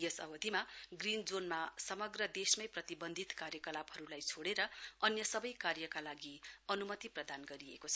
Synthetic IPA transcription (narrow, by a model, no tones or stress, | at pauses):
jʌsʌ̰bʌd̪ʱimaɡrind͡zonmasʌmʌɡrʌd̪esmʌjprʌt̪ibʌnd̪ʱit̪karjʌkʌlabɦʌɾulajt͡sʰoɽeɾʌʌnjʌsʌbʌjkarjʌkalaɡiʌnumʌt̪iprʌd̪anɡʌɾiḛkot͡sʰʌ